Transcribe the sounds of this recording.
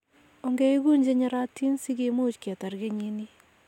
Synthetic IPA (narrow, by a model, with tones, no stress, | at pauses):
o˨ŋɡe˦i˦ɡu˦nd͡ʒe˦ɲe˦ɾa˦tːi˦nsi˦ɡe˨mu˦t͡ʃke˨ta˨ɾɡe˦ɲi˨ni˦